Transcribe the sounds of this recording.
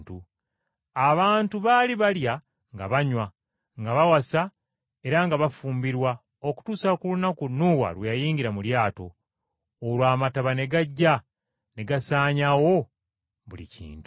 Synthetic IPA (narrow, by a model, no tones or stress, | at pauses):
tu | aβaːntuβaliβalja | ŋɡa̰βaɲwa | ŋɡaβawasa | e̞ɾaŋɡaβafuːmbiɾwa | o̞ku̥tuːsakulunakunːuːwa̰lwejajiːɲɡiɾamuljaːto̞̰ː | lwaːmataβane̞ɡaɟːa | ne̞ɡasaːɲawo̞ | βulḭcʰḭːntu